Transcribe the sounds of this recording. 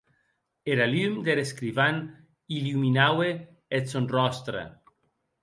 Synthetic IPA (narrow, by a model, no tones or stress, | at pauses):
eɾalymd̪eɾeskɾiβan | iluminawe | et̪sonrɔst̪ɾa̰